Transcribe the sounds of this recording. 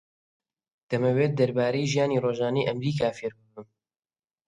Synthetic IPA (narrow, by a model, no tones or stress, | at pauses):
d̪̥ɐmɐweːt̪̚d̪ɐɾbaːɾɐjʒijaːniːroːʒaːnɐjʔɐmɾiːkaːfeːɾbɨbɨm